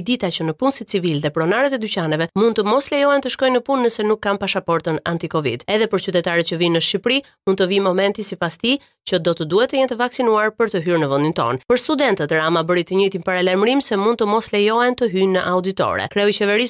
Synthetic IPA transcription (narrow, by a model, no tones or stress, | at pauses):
d̪it̪at͡ʃənəpunsit͡sivilðɛpɾɔnaɾɛt̪ɛd̪ycanɛvɛmund̪̚t̪əmɔslɛjɔɛnt̪əʃkɔjnəpunːəsɛnukːampaʃapɔɾt̪əna̰nt̪ikɔvḭd̪ɛðɛpəɾt͡ʃyt̪ɛt̪aɾɛt̪̚t͡ʃəvinəʃt͡ʃipɾi | mund̪t̪əvimɔmɛnt̪isipast̪i | t͡ʃəd̪ɔt̪əd̪uhɛt̪ːəjɛnt̪əvaksinuaɾpəɾt̪əɦyɾnəvənd̪int̪ɔ̰npəɾst̪ud̪ɛnt̪ət̪ɾamabəɾit̪əɲəjt̪impaɾalajməɾimsɛmund̪t̪əmɔslɛjɔɛnt̪əɦynəʔaud̪it̪ɔ̰ɾɛ̰kɾɛɔit͡ʃɛvɛɾis